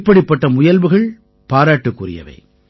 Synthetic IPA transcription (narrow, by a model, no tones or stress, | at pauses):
pːɐɽɪpːɐʈːɐmʊjɐlʋɯɣɐɭ | paːɾaːʈːɯkːurɪ̰jɐ̰ʋɐ̰ɪ